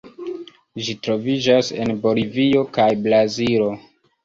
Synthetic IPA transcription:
ʒitɾo̞vid͡ʒase̞̰nbo̞livio̞kajblazilo̞

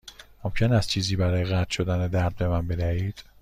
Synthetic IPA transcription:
momcʰe̞næst͡ʃʰiːziːbæɾɒːjeɣæt̪ʰʃo̞d̪æned̪æɾd̪̚be̞mænbe̞d̪æhiːd̪̥

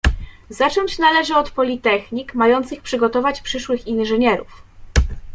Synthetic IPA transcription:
z̥at͡ʂɔɲt͡ɕnalɛʐɘɔt̪pɔlʲit̪ɛxɲikmajɔnt̪sɘxpʂɘɡɔt̪ɔvat͡ɕpʂɘʂwɘxinʐɘɲɛɾuf

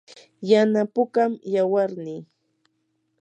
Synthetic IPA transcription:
janapʊkamjawaɾniː

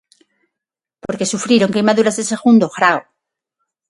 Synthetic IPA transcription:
po̞ɾke̞sufɾjiɾo̞ŋkejmaðuɾazðese̞ɣund̪oɣɾao

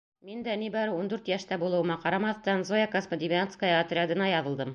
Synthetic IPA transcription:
mind̪ænibɑɾɤund̪ʉɾt̪jæʃt̪æbulˠɤ̆wɤ̆mɑqɑɾɑmɑθt̪ɑnzojakosmod̪ʲivʲanskajɐt̪rʲɪad̪ɤ̆nɑjɑðɤ̆lˠd̪ɤm

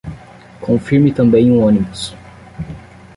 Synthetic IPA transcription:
kʰõfiɾmit̪ɐ̃mbẽj̃ũõnimus

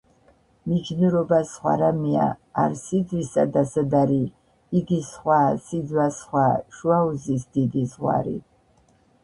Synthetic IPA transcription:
mid͡ʒnɨɾobasχʷa̰ɾamia̰ːrsid͡zwisad̪asɨd̪aɾiː | ɡisχʷaːsid͡zwasχʷaːʃwawzisd̪id̪izʁʷa̰ɾḭ

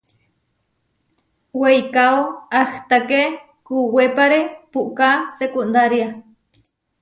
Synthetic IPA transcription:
wejkaoaht̪ake | kuwepaɾepuʔkasekund̪aɾja

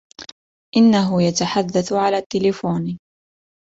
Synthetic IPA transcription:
ʔɪnːaɦʊjat̪aħad̪ːaθʕalaːt̪ːɪlɪfuːn

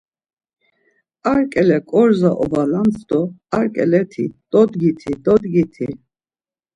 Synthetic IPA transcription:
aɾkʼɛlɛkʼɔɾzaʔɔ̰valant͡sʰʼd̪ɔaɾkʼɛlɛt̪ʰḭd̪̥ɔd̪ɡit̪ʰid̪ɔd̪ɡit̪ʰi

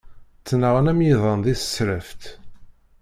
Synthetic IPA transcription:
t͡sːnəʁənæmjiðˤənd̪iθə̥sɾəft̪

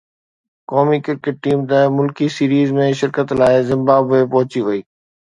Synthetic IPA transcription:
kɔːmikɪɾ̚kɪʈ̚ːiːmt̪əmʊlkisiːɾiːzmẽʃɪɾkət̪laːɪzɪ̃mbaːbepɐɦʊt͡ɕiʋɐiː

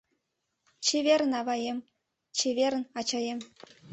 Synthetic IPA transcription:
t͡ɕeʋʲeɾʲɘ̆nɑʋɑjemʲ | t͡ɕʰeʋʲerʲɘ̆nɑt͡ɕɑjemʲ

